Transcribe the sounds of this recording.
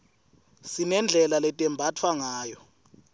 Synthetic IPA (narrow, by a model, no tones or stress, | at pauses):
sinɛnd͡ɮʱɛlalɛtʼɛmbʱatʰwaŋaːjɔ